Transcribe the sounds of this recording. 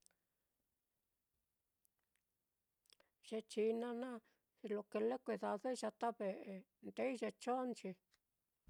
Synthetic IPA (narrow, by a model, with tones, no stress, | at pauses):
ʒe˧t͡ʃi˧nã˧nã˦˧ | lo˧ke˧le˦kʷe˧ða˧ðe˦˧ʒa˧t̪a˦βe˨ʔe˧ | nd̪e˦i˦ʒe˧t͡ʃo˦nt͡ʃi˧